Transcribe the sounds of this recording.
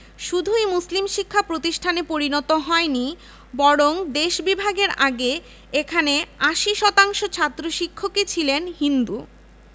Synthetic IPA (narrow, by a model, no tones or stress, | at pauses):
ʃud̪ʱujmuslimʃikʰːapɾot̪iʃʈʰanepoɾinɔt̪oɦɔeni | bɔɽoŋd̪eʃbibʱaɡeɾaɡe | ekʰaneaʃiʃɔt̪aŋʃot͡ɕʰat̪ːɾoʃikʰːoket͡ɕʰilenɦind̪u